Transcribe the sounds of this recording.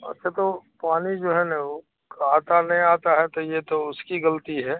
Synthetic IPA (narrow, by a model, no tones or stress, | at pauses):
ɐ̰tːʃʰat̪opaːnid͡ʒoːɦɛnɐo | kaːt̪anɐɦĩaːt̪aɦɛt̪ojet̪oʊskiɡɐlt̪iɦɛː